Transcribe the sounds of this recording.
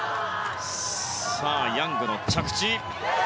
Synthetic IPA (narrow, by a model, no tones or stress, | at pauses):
saːjaŋɡɯnot͡ɕʰakɯ̥t͡ɕi